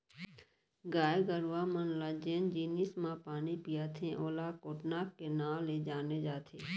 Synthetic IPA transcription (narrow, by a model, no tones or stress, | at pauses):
ɡaːjɡəɾʋaːmənlaːd͡ʒeːnd͡ʒiːniːsmãːpaːnipɪjaːt̪ʰẽʔoːlaːkoːʈnaːkːeːnãːleːd͡ʒaːneːd͡ʒaːt̪ʰeː